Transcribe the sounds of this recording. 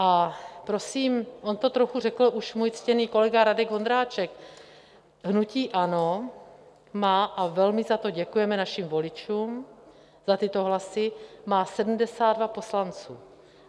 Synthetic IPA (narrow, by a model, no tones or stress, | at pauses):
ʔapɾo̞siːmʔo̞nt̪ot̪ɾoxur̝ɛkl̩ʔuʃmuːjt͡scɛniːko̞lɛɡaɾadɛɡvo̞nd̪ɾaːt͡ʃɛk | ɦnuciːʔano | maːʔavɛlmɪzat̪o̞ɟɛkujɛmɛnaʃimvo̞lɪt͡ʃuːm | z̥at̪ɪt̪o̞ɦlasɪmaːsɛdm̩dɛsaːd̪dvapo̞slant͡sṵː